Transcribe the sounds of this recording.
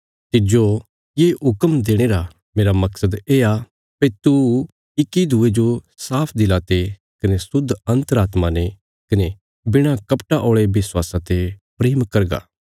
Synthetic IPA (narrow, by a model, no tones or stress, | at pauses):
t̪ɪd͡ʒo | jeːɦʊkəmd̪eːɽ̃eːɾa | meːɾamɐksəd̪eːa | pet̪u | ɪkːid̪ʱʊed͡ʒo | saːpʰd̪ɪlat̪e | kɐnesʊd̪ʱːɐ̃nt̪əɾaːt̪mãne | kɐne | bɪɽ̃akɐpʈaʔoːɭebɪswaːsãt̪epɾeːmkɐɾɡa̰ː